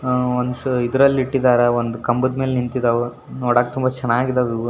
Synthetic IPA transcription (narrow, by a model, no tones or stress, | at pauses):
ond̪uid̪ɾɐlːiʈːid̪aːɾɐond̪ukɐmbud̪meːlenint̪id̪ɐʋu | noːɽaːket̪umbɐt͡ʃɛnaːɡid̪ɐʋiʋu